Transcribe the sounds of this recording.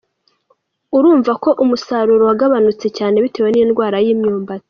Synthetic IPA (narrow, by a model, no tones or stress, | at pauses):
uɾuːɱvako̞ʔumusaːɾuɾowaɡaβanut͡se̞caːne̞βite̞ːwe̞nindɡwaːɾajiːmɲuːmbat͡si̥